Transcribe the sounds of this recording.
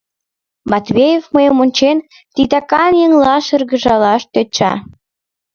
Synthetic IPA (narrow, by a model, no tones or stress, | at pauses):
mɑt̪βʲejefməjəmonʲt͡ɕen | t̪it̪ɑkɑnjə̆ŋlɑʃə̆rɣə̆ʒɑlɑʃt̪øt͡ɕɑ̰